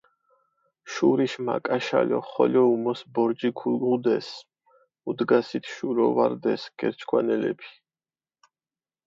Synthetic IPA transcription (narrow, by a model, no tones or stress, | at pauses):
ʃuɾiʃma̰kʼaʃa̰lɔ̰χɔlɔumɔsbɔɾd͡ʒikʰulɡud̪ɛs | ud̪ɡasit̪ʰʃuɾɔvaɾd̪ɛsɡ̥ɛɾt͡ʃʰkʰwanɛlɛ̰pʰi̥